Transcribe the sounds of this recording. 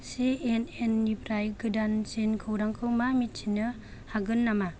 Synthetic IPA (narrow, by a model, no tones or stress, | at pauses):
sienenːipʰɾajɡɯdansenkʰɯwɾaŋkʰɯwmamit͡ʃʰinːɯ | haɡɯnːama